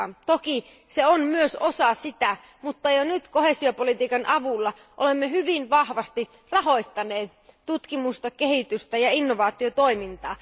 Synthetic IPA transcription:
t̪oki | seonmyøsosɑsit̪æ | mut̪ːɑjonyt̪kohesio̞polit̪iːkɑnʔɑʋulːɑ | ʔolemːeɦyʋinʋɑhʋɑst̪i | rɑɦo̞it̪ːɑneːt̪t̪ut̪kimust̪ɑkehit̪yst̪æjɑinːoʋɑːt̪ːˑiot̪oimint̪ɑː

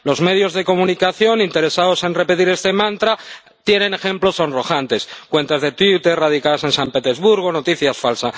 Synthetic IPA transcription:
lo̞zme̞ð̞jo̞zðeko̞mũnikaθjo̞nint̪e̞ɾe̞saðo̞se̞nre̞pe̞t̪iɾe̞st̪e̞mãnt̪ɾa | t̪je̞nẽ̞ne̞xẽ̞mplo̞so̞nro̞xant̪e̞skwe̞nt̪azðe̞t̪wit̪e̞rrað̞ikaðase̞nsampe̞t̪ezβuɾɣ̞ono̞t̪iθjasfalsa

